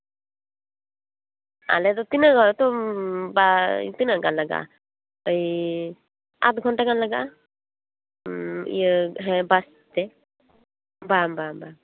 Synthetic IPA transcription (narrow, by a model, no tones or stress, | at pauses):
a̰lɛt̪ɔt̪inəɡɔt̪ɔbat̪inəʔkanlaɡa̰ʔa̰ | əj | a̰t̪ɡʱɔnʈakanlaɡaʔ | ḭəɦɛbas | t̪ɛ | bambamba